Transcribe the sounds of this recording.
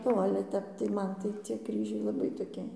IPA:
oː ˈɑːlʲɛ ˈtʲɛp tɐɪ ˈmɐn tɐɪ t͡sʲiɛ ˈkrʲiːʒʲɛɪ lˠɐˈbɐɪ toːˈkʲɪ

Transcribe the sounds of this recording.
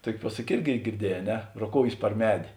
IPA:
ˈtuɔkʲɪ ˈpuɔsɐkʲɪ ˈɪrʲɡʲɪ ɡʲɪrʲˈdʲiɛˌjɛː ɐ ˈnʲɛ roːˈkoːʊjeːs pɐr ˈmʲæːdʲeː

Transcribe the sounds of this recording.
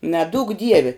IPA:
nʲɛˈduːk ˈdʲiɛʋʲɪ

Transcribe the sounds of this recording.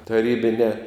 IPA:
tɐˈrʲiːbʲɪnʲɛː

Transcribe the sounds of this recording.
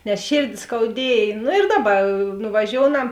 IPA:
nʲɛs ˈʃʲeːrʲdʲɪ skɐʊˈdʲiɛj ˈnʊ ɪr ˈdɑːˌbɐ nʊʋɐˈʒʲoːʊnɐm

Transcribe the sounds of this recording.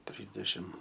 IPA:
ˈtʲrʲiːzʲdʲɛʃʲɪm

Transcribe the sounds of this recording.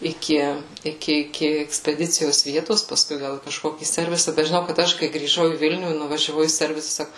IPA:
ɪˈkʲɪ ɪˈkʲɪ ɪˈkʲɪ ɛksʲpʲɛˈdʲɪt͡sʲɪjoːs ˈʋʲiɛtoːs pɐˈskʊɪ ˈɡɐlˠ iː kɐʃˈkoːkʲiː ˈsʲɛrʲʋʲɪsɐ bʲɛt ʒʲɪˈnɐʊ kɐt ˈɐʃ kɐɪ ɡrʲiːˈʒɐʊ iː ˈʋʲɪlʲnʲuː ɪ nʊʋɐʒʲɛˈʋɐʊ iː ˈsʲɛrʲʋʲɪsɐ ˈsɑːkʊ

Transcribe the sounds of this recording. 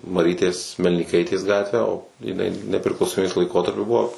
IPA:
mɐˈrʲiːtʲeːs mʲɛlʲnʲiːˈkɐɪtʲeːs ˈɡɑːtʲʋʲæː oː jɪˈnɐɪ nʲɛpʲrʲɪklˠɐʊsoːˈmʲiːbʲeːs lˠɐɪˈkoːtɐrʲpʲʊ ˈbʊʋoː

